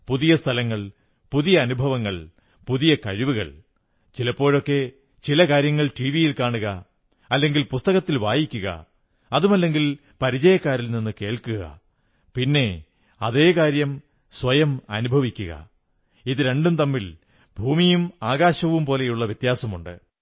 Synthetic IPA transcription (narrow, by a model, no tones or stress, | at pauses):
puðijɐst̪ʰɐlɐŋːɐɭ | puðijɐːnubʱɐʋɐŋːɐɭ | puðijɐkɐɻiʋuɣɐ̰ɭ | t͡ɕilɐpːo̞ːɻo̞kːe̞ | t͡ɕilɐkaːɾjɐŋːɐɭʈiːʋijilkaːɳuɣɐ | ɐlːe̞ŋɡilpust̪ɐɣɐt̪ːilʋaːjikʲːuɣɐ̰ | ɐðumɐlːe̞ŋɡil | pɐɾid͡ʑɐjɐkːaːɾilninːɨke̞ːɭkuɣɐ̰ | pinːe̞ | ɐðe̞ːkaːɾjɐm | sʋɐjɐmɐ̰nubʱɐʋikʲːuɣɐ̰ | iðɨɾe̞ɳɖumt̪ɐmːil | bʱuːmijumaːɣaːɕɐʋumpo̞ːle̞juɭːɐʋjɐt̪jaːsɐmuɳɖɨ̰